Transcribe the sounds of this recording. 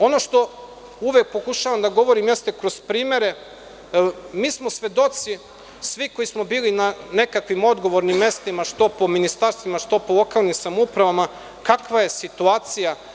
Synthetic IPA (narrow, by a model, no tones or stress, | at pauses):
o̞no̞ʃt̪o̞ | uʋek̚po̞kuʃaʋamd̪aɡo̞ʋo̞ɾimjest̪e̞kɾo̞z̥pɾiːme̞ɾe̞ | miːsmo̞sʋe̞d̪o̞t̪si | sʋiko̞jismo̞biːlinane̞kakʋimo̞d̪ɡo̞ʋoɾnimːje̞st̪imaʃt̪o̞po̞minist̪aɾst̪ʋimaʃt̪o̞polˠo̞kaːlˠnimsamupɾaʋama | kakʋaje̞sit̪uaːt̪sija